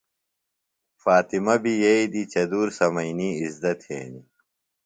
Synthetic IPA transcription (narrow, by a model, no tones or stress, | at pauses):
faːt̪imɐbijɐid̪it͡ɕɐd̪uːɾsɐmɐiniːizd̪ɐt̪hḛːni